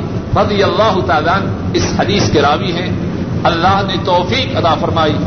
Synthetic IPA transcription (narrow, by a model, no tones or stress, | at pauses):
ɾɐd̪ijɐlːaːɦʊt̪aːlaən | ɪshɐd̪iːskeɾaːʋiɦɛ̃ | ɐlːaːɦnet̪ɔːfiːkɐt̪aːfɐɾmaːiː